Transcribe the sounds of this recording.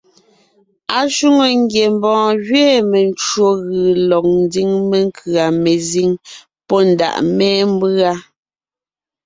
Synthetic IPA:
a˨ʃu˦ŋo˨ŋ˦ɡje˨m˦bɔ̃ː˨ɣɥɛː˦mɛ˨nt͡ʃɰo˦ɣɯ˨lɔ˨k̚n̩˦di˦ŋme˨ŋ˦kʰɰa˨me˨zi˦ŋ | pɔ˦n̩˨da̰˨ʔmɛː˦m˦ba˦

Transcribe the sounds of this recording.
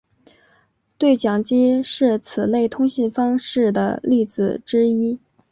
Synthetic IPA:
t̪we˥˩ɪt͡ɕjɑ˨˩ŋt͡ɕi˥ʂɻ̩˥˩t͡sʰɹ̩˨˩le˥˩ɪt̪ʰʊ˥ŋɕi˥˩nfɑ˥ŋʂɻ̩˥˩d̪ə˩li˥˩t͡sɹ̩˨˩ʈ͡ʂɻ̩˥i˥

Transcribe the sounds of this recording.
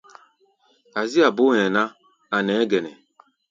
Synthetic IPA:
a˨zi˦a˨bo˦ɛ̃˨na˦ | a˨nɛ˨˦ɡɛ˨nɛ˨

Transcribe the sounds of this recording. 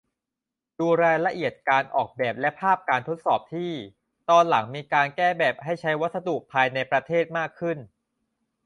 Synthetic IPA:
duː˧ɾaː˧jla˧ʔi˨˩ət̪̚kaː˧nʔɔː˨˩k̚bɛː˨˩p̚lɛ˦˥pʰaː˥˩p̚kaː˧nt̪ʰo˦˥t̪̚sɔː˨˩p̚t̪ʰiː˥˩ | t̪ɔː˧nla˩˦ŋmiː˧kaː˧nkɛː˥˩bɛː˨˩p̚ha˥˩jt͡ɕʰa˦˥jwa˦˥t̪̚sa˧d̪u˨˩ʔpʰaː˧jna˧jpɾa˧t̪ʰeː˥˩t̪̚maː˥˩kʰːɯ˥˩n

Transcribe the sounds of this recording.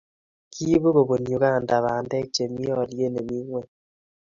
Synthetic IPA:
kʰi˦βo˦ɣo˨bo˨ɲu˨ka˦˨nda˨βa˨ndɛ˦t͡ʃe˨mi˦ɔ˦˨ɾje˦ne˨βi˦ŋwɛ˨

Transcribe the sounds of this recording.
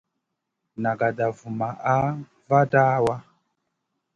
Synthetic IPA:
na˨ɡa˨da˨vu˨ma˨ʔa˦ | va˦daː˦wa˦

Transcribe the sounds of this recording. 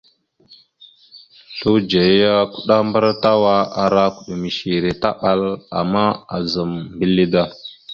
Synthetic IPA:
ɬu˦d͡ʒe˨˦ja˦ku˦ɗa˦mba˦ɾta˦wa˦a˨ɾa˦ku˨ɗu˨mi˨ʃi˨ɾe˨ta˦ɓa˦la̰˨mːa˦a˨za˨mbi˦li˦da˦

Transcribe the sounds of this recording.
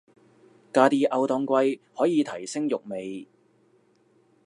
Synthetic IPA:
kaː˧t̪iː˧ʔɐ˨˧wt̪ɔː˧ŋkʷɐ˧jhɔː˨˥jiː˨˧t̪ʰɐ˨˩jsɪ˥ŋjʊ˨k̚me˨j

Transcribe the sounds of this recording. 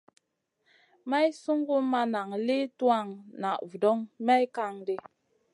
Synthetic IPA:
ma˦jsu˦ŋɡu˦ma˦na˨ŋle˦tu˦a˦˨ŋna˨ʔvu˨dɔ˦ŋma˦jka˦ŋde˦

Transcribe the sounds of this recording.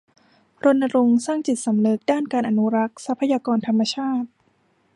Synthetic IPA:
ɾo˧nːa˧ɾo˧ŋsaː˥˩ŋt͡ɕi˨˩t̪̚sa˩˦mnɯ˦˥k̚daː˥˩nkaː˧nʔa˧nu˦˥ɾa˦˥k̚sa˦˥pʰːa˧jaː˧kɔː˧nt̪ʰa˧mːa˧t͡ɕʰaː˥˩t̪̚

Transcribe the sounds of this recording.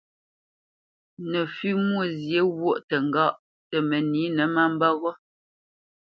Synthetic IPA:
nə˨fi˦mwo˦˨zje˨˦wwo˦ʔtə˨ŋ˨ɡa˦ʔ | tə˨mə˨ni˨˦nə˨˦ma˦m˦bɔ˦ɣɔ˦

